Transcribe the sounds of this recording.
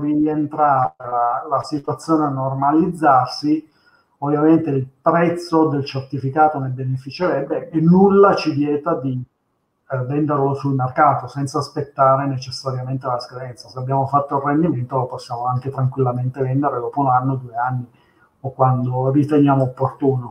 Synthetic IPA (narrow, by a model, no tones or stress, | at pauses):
rient̪ɾaɾelalasit̪wat̪sːjoːneanːormalid̪zːarsi | ovːjament̪eilpɾɛt̪sːod̪elt͡ʃert̪ifikaːt̪onebenefit͡ʃeɾɛbːeːnːulːat͡ʃidjɛːt̪ad̪i | vɛnd̪eɾlosulmerkaːt̪osɛnt̪saːspet̪ːaːɾenet͡ʃesːaɾjament̪elaskad̪ɛnt̪saseabːjaːmofat̪ːoilrːend̪iment̪oloposːjaːmoaŋket̪ɾaŋkwilːament̪evɛnd̪eɾed̪ɔːpounanːod̪uːeanːi | okwand̪orit̪enjaːmoopːort̪uːno